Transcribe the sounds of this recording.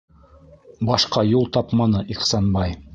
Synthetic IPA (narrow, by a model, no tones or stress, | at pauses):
bɑʃqɑjulˠt̪ɑpmɑnɤʔiχsɑnbɑj